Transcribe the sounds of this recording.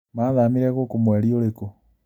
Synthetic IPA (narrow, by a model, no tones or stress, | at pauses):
maːðamiɾɛɣokomwɛɾioɾeko